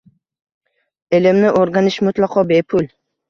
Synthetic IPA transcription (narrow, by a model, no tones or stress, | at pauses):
elɪmnɪʔoɾɡʲanɪʃmʊt̪lˠɑqʰɒbe̞pʰʊl